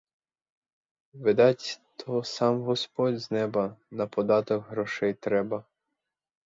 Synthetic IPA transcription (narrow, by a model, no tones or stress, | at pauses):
ʋɪd̪ɑtʲt̪ʰɔsɑmɦɔspɔdʲznɛbɐnɐpɔd̪ɑt̪ɔkɦɾɔʃɛjt̪ɾɛbɐ